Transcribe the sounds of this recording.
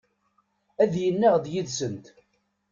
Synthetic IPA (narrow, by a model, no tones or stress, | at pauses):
æðjənːæʁðjiðsənt̪